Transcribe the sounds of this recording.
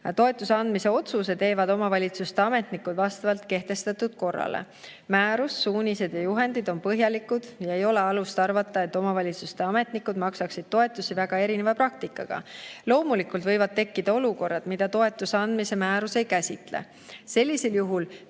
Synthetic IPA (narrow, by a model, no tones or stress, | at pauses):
t̪o̞e̞t̪ːˑuseɑnd̪̥mise̞o̞t̪sus̬e̞t̪e̞ːvɑd̪o̞mɑvɑlʲit̪sust̪e̞ɑme̞t̪nikːud̪vɑst̪ɑvɑlt̪ke̞ht̪e̞st̪ɑt̪ːˑud̪̥ko̞rːɑ̰lḛ | mæːɾusːuːnʲise̞d̪̥jɑjuɦe̞nd̪̥id̪̥o̞npɤɦjɑlikːˑud̪̥jɑejo̞le̞ɑlust̪ɑrvɑt̪ːˑɑe̞t̪ːˑo̞mɑvɑlʲit̪sust̪e̞ɑme̞t̪nikːˑud̪̥mɑksɑksid̪̥̚t̪o̞e̞t̪ːˑusivæɡ̥ɑe̞ɾinevɑpɾɑk̚t̪ikːˑɑɡ̥ɑ̰lo̞ːmulikːˑult̪vɤjvɑd̪̥̚t̪e̞kːid̪̥ɑo̞luko̞rːɑd̪̥mid̪̥ɑt̪o̞e̞t̪ːˑuseɑnd̪̥mise̞mæːɾuse̞jkæsʲit̪lḛ | se̞lʲːiseljuɦul